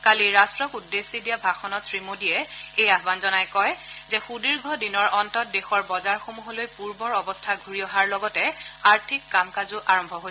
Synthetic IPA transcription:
kaliɹastɹɔkudːesːidijabʱaxɔnɔtsɹimodijɛejaɦbanzɔnajkɔjzɛxudiɹɡʱɔdinɔɹʔɔntɔt̚dexɔɹbɔzaɹxomuɦolojpuɹbɔɹɔbɔstʰaɡʱuɹiɔɦaɹlɔɡɔtɛaɹtʰikːamkazʊʔaɹɔmbʱɔɦo

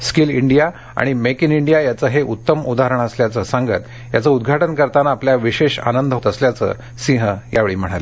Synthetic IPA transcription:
skiliɳɖija | a̰ɽ̃imekiniɳɖijajat͡səɦeʔut̪ːəmud̪aɦɾəɳ̃əsljat͡səsaŋɡət̪ | ja̰t͡səud̪ɡʱaʈənkəɾt̪anaːpljaʋiɕeɕa̰nənd̪ʱot̪əsljat͡sə̰ | sĩɦəjaʋeɭiːm̤əɽ̃ale

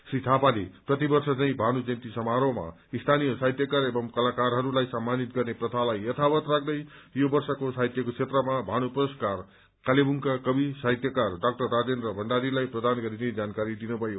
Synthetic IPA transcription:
srit̪ʰapaleprʌt̪ibʌrsʌt͡saĩbʱaɽ̃ud͡zʌnt̪isʌmaɾoma̰ | ist̪ʰanijʌsajt̪jʌkaɾebʌmkʌlakarɦʌɾulajsamːanit̪ɡʌrneprʌt̪ʰalajjʌt̪ʰabʌt̪rak̚ʰd̪ʌjjobʌrsʌkosajt̪jʌkot͡sʰet̪rʌmabʱaɽ̃uproskar | kalebuŋkakʌbisajt̪jʌkarɖak̚ʈʌrːad͡zenrʌbʱʌɳɖaɾilajprʌd̪anɡʌɾined͡zankaɾid̪inubʱʌjo

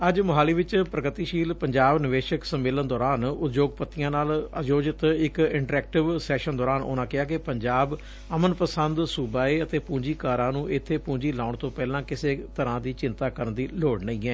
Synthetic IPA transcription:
əd͡ʒmʊɦaːliːʋɪt͡ʃpɾəkɾt̪iːʃiːlpəɲd͡ʒaːbnɪʋeːʃəksəmːeːlənd̪ɔːɾaːnʊt̪d͡ʒoːɡpət̪ːijãːnaːləd͡ʒoːd͡ʒɪt̪ɪkɪɳʈɾɛːk̚ʈɪʋsɛːʃənd̪ɔːɾaːnʔo̰ːnãːkɪaːk̬epəɲd͡ʒaːb | əmənpəsənd̪suːbaːeːət̪eːpũːɲd͡ʒiːkaːɾãːnũːʔɪt̪ʰːeːpũːɲd͡ʒiːlaːʊɳt̪õːpɛːlãːkɪseːt̪əɾãːd̪iːt͡ʃɪ̃nt̪aːkəɾənd̪iːloːɽnəĩːɛː

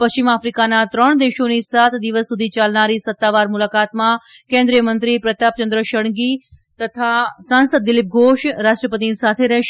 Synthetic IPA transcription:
pəst͡ʃimafɾikanat̪ɾəɳ̃d̪eʃonisat̪d̪iʋəsːud̪ʱit͡ʃalnaɾisət̪ːaʋaɾmulakat̪mãkẽnd̪ɾijəmənt̪ɾipɾət̪ap̚t͡ʃənd̪ɾəʃəɳ̃ɡi | t̪ət̪ʰasãnsəd̪ːɪlip̚ɡʱoʃɾaʃʈɾəpət̪inisat̪ʰeɾɛɦʃ

